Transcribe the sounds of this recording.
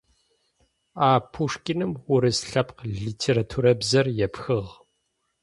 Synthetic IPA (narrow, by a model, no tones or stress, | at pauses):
aːpʰuʂkʲʼɪnɨmwʊɾɨsɬɐpqɮiːtʰeːɾatʰuːɾɐbzɐrjɛpxɨʁ